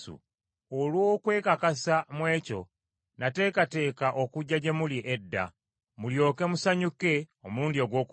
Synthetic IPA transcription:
ṵ | olwo̞ːkwe̞ːkakasamwe̞ːco̞ | nate̞ːkate̞ːkaʔokuɟːaɟe̞muliʔedːa̰ | muljo̞ːke̞musaɲuke̞omuːndio̞ɡwo̞ːku

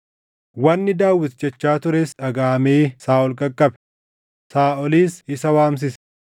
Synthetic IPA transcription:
wɐnːɪd̪aːwɪt̪d͡ʒɛt͡ʃːaːt̪ʊɾɛsᶑɐɡaːmeːsaːʔɔlkʼɐkʼːɐbɛ | saːʔɔliːsɪsɐwaːms̬ɪsɛ̥

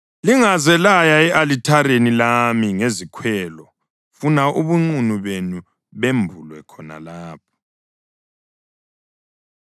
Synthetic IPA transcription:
liŋazɛlajaɛʔalitʰaɾenilamiŋezikʰwɛːlɔ | funaʔuβuŋ͡ǀunuβenu | βembʱulwɛkʰɔna̰laːp̚ʰɔ̥

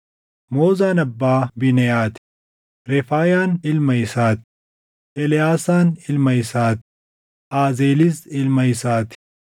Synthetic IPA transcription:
moːzaːnɐbːaːbɪnɛjaːt̪ | ɾɛfaːjaːnɪlmɐɪsaːt̪ | ʔɛlɪjaːsaːnɪlmɐjɪsaːt̪ | ʔaːzeːlɪsɪlmɐjɪsaːt̪

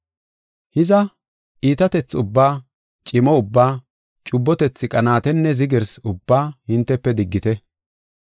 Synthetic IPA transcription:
hɪzɐ | ʔiːt̪ɐt̪ɛt͡sːʊbːaː | t͡ʃʼɪmɔʊbːaː | t͡ʃʼʊbːɔt̪ɛt͡sːɪkʼɐnaːt̪ɛnːɛzɪɡɛɾsʊbːaːhɪnt̪ːɛpːɛd̪ɪɡːɪt̪ɛ

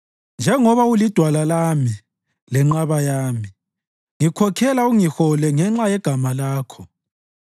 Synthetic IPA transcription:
nd͡ʒʱɛŋɔβaulid̥ʱwalalami | lɛŋ͡ǁaβajaːmi | ŋikʰɔkʰɛlauŋixɔlɛŋɛŋ͡ǁajɛɡ̥ʱamalaːkʰɔ

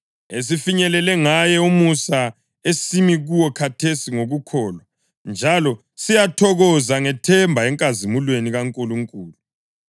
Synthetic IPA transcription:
es̬ifiɲɛlɛlɛŋajɛumusa | esimiɣuwɔkʰatʰesiŋoɣukʰɔːlwa | nd͡ʒʱalɔ | sijatʰɔɣɔzaŋɛtʰɛmbʱaɛŋkʼazimulweniɣaŋkʼuluŋkʼuːlu

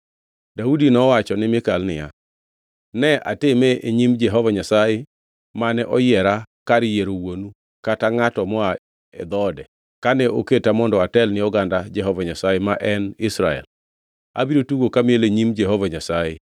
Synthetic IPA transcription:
daudinɔwat͡ʃɔnɪmɪkalnɪja̰ | nɛʔa̰temeeɲimd͡ʒɛɦɔvaɲasaje | manɛʔɔjɛɾakaɾɪjeɾowonu | kataŋatɔmɔa | ɛ̰d̪ɔdɛ | kanɛoketamɔndɔatɛlnɪɔɡandad͡ʒɛɦɔvaɲasajemaʔɛnɪsɾa̰ɛ̰l | a̰biɾotuɡokamɪeleɲimd͡ʒɛɦɔvaɲasaje

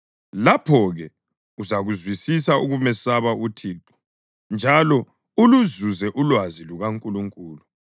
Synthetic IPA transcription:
lapʰɔɣɛ | uzaɣuzwisis̬auɣumɛsaβautʰiːtʰʼɔ̥ | nd͡ʒʱalɔ | uluzuzɛʔulwaziluɣaŋkʼuluŋkʼuːlu

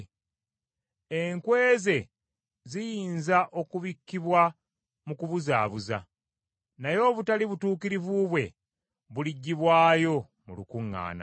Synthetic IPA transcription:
eŋkwe̞ːze̞ | zijiːnzaʔo̞kuβikːiβwa | mukuβuza̰ːβuza̰ | najo̞ːβutaliβutuːkiɾivuβwe̞ | βuliɟːiβwaːjo̞ | mulukuŋːa̰ːna̰

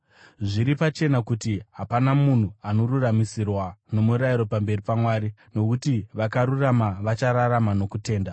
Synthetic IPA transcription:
ʐiɾipat͡ʃe̞nakutiɦapanamun̤uano̞ruramisirwano̞muɾaiɾo̞pambe̞ripamwaːɾino̞kutiʋakaɾuramaʋat͡ʃaɾaramano̞kute̞ːnda

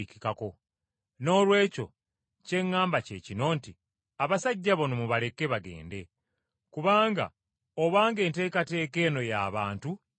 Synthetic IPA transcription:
icikako̞ | no̞ːlwe̞ːco̞̰ | ce̞ŋːaːmbace̞cino̞nti | aβasaɟːaβo̞nomuβale̞kːe̞βaɡe̞̰ːnde̞ | kuβaːŋɡa̰ | oβaːŋɡe̞ːnte̞ːkate̞ːke̞ːno̞ja̰ːβaːntu

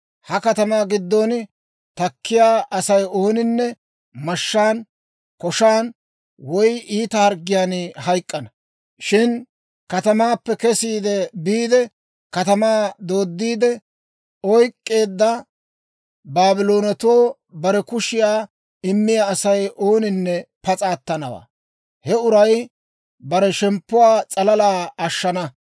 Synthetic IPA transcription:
hɐkɐt̪ɐmaːɡɪd̪ːoːn | t̪ɐkʰːɪjaːʔɐsɐjo̞ːnɪnːɛ | mɐʃːaːn | kɔʃaːn | wɔjiːt̪ɐhɐɾɡɪjaːnhɐjkʼːɐnɐ | ʃɪn | kɐt̪ɐmaːpːɛkɛsiːd̪ɛbiːd̪ɛ | kɐt̪ɐmaːd̪o̞ːd̪ːiːd̪ɛ | ɔjkʼːe̞ːd̪ːɐ | baːbɪlo̞ːnɐt̪oː | bɐɾɛkʊʃɪjaː | ɪmːɪjaːsɐjʔoːnɪnːɛpɐt͡sʼaːt̪ːɐnɐwa̰ː | hɛʊɾɐj | bɐɾɛʃɛmpːʊwaːt͡sʼɐlɐlaːɐʃːɐnɐ

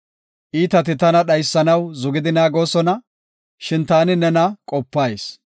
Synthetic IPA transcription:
ʔiːt̪ɐt̪ɪt̪ɐnɐɗɐjsːɐnɐwzʊɡɪd̪ɪnaːɡo̞ːsɔnɐ | ʃɪnt̪aːnɪnɛnɐkʼɔpːaːjs

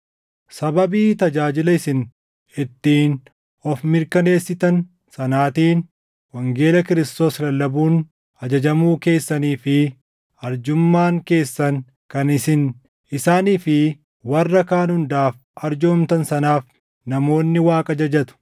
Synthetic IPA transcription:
sɐbɐbiːt̪ɐd͡ʒaːd͡ʒɪlɐɪsɪn | ɪt̪ːiːn | ɔfmɪɾkɐne̞ːsːɪt̪ɐn | sɐnaːt̪iːn | wɐŋɡe̞ːlɐkɪɾɪst̪o̞ːslɐlːɐbuːn | ɐd͡ʒɐd͡ʒɐmuːke̞ːsːɐniːfɪ | ɐɾd͡ʒʊmːaːŋke̞ːsːɐŋ | kɐnɪsɪn | ɪsaːniːfɪ | wɐrːɐkaːnhʊnd̪aːf | ɐɾd͡ʒoːmt̪ɐnsɐnaːf | nɐmo̞ːnːɪwaːkʼɐd͡ʒɐd͡ʒɐt̪ʊ̥

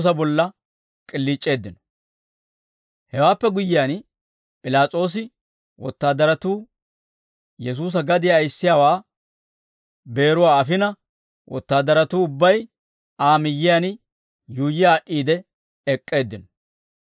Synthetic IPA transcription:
s̬ɐbɔlːɐ | kʼɪlːiːt͡ʃʼːe̞ːd̪ːɪnɔ̥ | hɛwaːpːɛɡʊjɪjan | pʼɪlaːt͡sʼo̞ːs̬ɪ | wɔ̰t̪ːaːd̪ːɐɾɐt̪uː | jɛs̬uːs̬ɐɡɐd̪ɪjaːjsːɪjaːwaː | be̞ːɾʊwaːɐfɪnɐ | wʔɔ̰t̪ːaːd̪ːɐɾɐt̪uːʊbːɐj | aːmɪjːɪjan | juːjɪaːʔiːd̪ɛ | ɛkʼːe̞ːd̪ːɪnɔ

